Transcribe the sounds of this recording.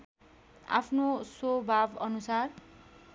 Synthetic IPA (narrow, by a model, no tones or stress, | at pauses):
a̰pʰnosobʱabʌnusar